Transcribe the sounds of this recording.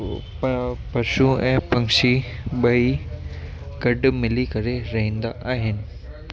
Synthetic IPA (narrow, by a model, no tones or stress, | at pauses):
pɐʃuɛ̃ːpɐ̃ŋʃiɓɐi | ɡɐɖmɪlikɐɾeɾɐɦĩːn̆d̪aʔaːɦɪnɪ̆